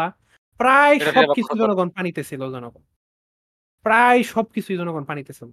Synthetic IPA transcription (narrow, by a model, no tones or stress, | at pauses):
a | pɾajʃɔbkit͡sʰuzɔnɔɡɔnpanit̪et͡ɕʰilozɔnɔɡɔn | pɾajʃɔb̚kit͡sʰujd͡ʑɔnɔɡɔnpanit̪et͡ɕʰilo